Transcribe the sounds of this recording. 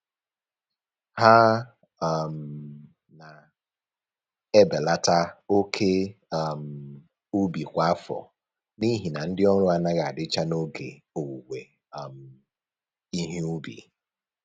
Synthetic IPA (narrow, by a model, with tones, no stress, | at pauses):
ha˦˨ | m̩˨ | na˨ | e˦be˨la˦ta˦o˦kʰe˦˨m̩˨ | u˦bi˨kʷa˦a˦fɔ̰˨ | ni˦ɦi˨na˨n̩˦dɪ˦ɔ˦ɾʊ˦a˨na˦ɣa˨a˨dɪ˦t͡ʃa˦no˦ɡḛ˨ | o˨wu˨ɡʷe˨ | m̩˨ | i˦ɦi˦u˦bḭ˨